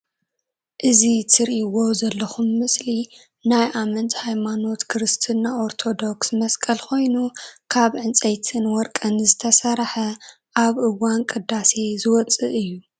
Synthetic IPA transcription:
ʔɨzit̪ʰɨɾiʔwozɐlːɐxumːɨsli | najʔamɐnt̪hajmano̞t̪kʰɨɾɨst̪ʰɨnːaʔoɾt̪ʰo̞d̪o̞ksmɐskʼɐlkʰo̞jnukʰaβʕɨnt͡sʼɐjt̪ʰɨnwɔɾkʼɐnɨzɨt̪ʰɐsɐɾħɐ | ʔaβʔɨwankʼɨd̪ːase̞zɨwɔt͡sʼɨ̰ʔɨjːu

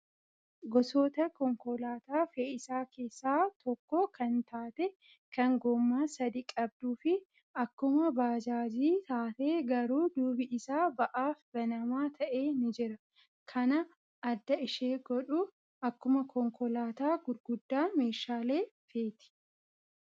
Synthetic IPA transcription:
ɡɔsoːt̪ɐkɔŋkɔlaːt̪aːfeːɪsaːke̞ːsːaːt̪ʰɔkːɔkɐnt̪aːt̪ɛ | kɐŋɡɔmːaːsɐd̪ikʼɐb̚d̪uːfɪ | ʔɐkːʊmɐbaːd͡ʒaːd͡ʒiːt̪aːt̪eːɡɐɾuːd̪uːbɪʔɪsaːbɐʔaːfb̥ɐnɐmaːt̪ʰɐʔe̞ːnɪd͡ʒɪɾɐ | kʰɐnɐ | ɐd̪ːɐɪʃeːɡɔᶑu | ʔɐkːʊmɐkʰɔŋkɔlaːt̪aːɡʊɾɡʊd̪ːaːme̞ːʃaːle̞ː | feːt̪ɪ̥

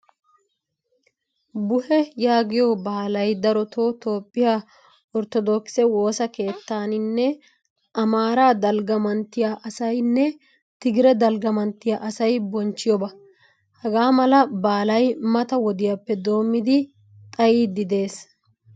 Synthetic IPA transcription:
bʊhɛjaːɡɪjɔbaːlɐjd̪ɐɾɔt̪oːt̪o̞ːpʼːɪja | ɔɾt̪ɔd̪ɔksɛwo̞ːsɐke̞ːt̪ːaːnɪnːɛ | ɐmaːɾaːd̪ɐlɡɐmɐnt̪ːɪjaʔɐsɐjnːɛ | t̪ɪɡɪɾɛd̪ɐlɡɐmɐnt̪ːɪjaʔɐsɐjbɔnt͡ʃːɪjɔbɐ | hɐɡaːmɐlɐbaːlɐjmɐt̪ɐwɔd̪ɪjapːɛd̪o̞ːmːɪd̪ɪ | t̪ʼɐjiːd̪ɪd̪e̞ːs

